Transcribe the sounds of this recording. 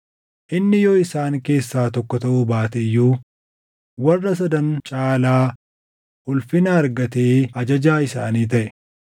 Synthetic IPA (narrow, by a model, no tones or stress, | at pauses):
ʔɪnːɪjɔːɪsaːŋke̞ːsːaːt̪ɔkːɔt̪ɐʔʊbaːt̪ɛjːuː | wɐrːɐs̬ɐd̪ɐnt͡ʃʼaːlaː | ʔʊlfɪnɐːɾɡɐt̪eːɐd͡ʒɐd͡ʒaːɪsaːniːt̪̬ɐʔɛ